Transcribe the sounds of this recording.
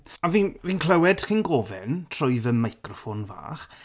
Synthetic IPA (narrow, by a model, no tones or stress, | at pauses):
avinviːnkʰlˠɛwɛd̥χinɡɔvɛntʰrʊjðəmajkrɔfonva̰ːχ